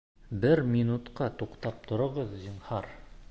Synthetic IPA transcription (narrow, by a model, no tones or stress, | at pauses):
bɘɾmʲinut̪qɑt̪uqt̪ɑp̚t̪ʰŏɾɤ̆ʁɤðʑɤ̆ɴhɑɾ